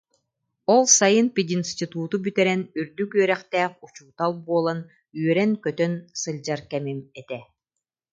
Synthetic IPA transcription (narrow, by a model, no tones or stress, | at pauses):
ɔlˠsajɯnpid̪inst̪ʲit̪uːt̪ubyt̪ɛɾɛnyɾd̪ykyœɾɛχt̪æːχut͡ɕuːt̪alˠbuɔlˠan | yœɾɛnkœt̪œnsɯlʲd͡ʑaɾkɛmimɛt̪ɛ